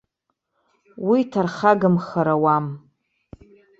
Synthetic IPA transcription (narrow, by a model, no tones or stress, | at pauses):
witʰarχaɡɨmχaɾawam